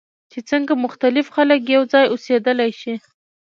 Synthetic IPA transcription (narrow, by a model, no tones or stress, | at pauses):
t͡ʃet͡səŋɡamʊxt̪alɪfxalək̬jawd͡zɑjosed̪əlajʃi